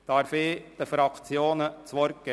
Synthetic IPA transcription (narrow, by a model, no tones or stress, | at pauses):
d̥̪ɑɾfɪːd̥əfɾɑkt͡sjoːnət͡sʋɔɾk̚ɡ̥ɛ